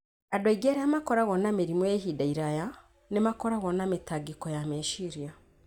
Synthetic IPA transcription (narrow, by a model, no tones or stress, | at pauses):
adwaiɡeɾeamakɔɾaɣɔnameɾimweɦidaiɾaja | nemakɔɾaɣɔnametaɡikɔjameʃiɾia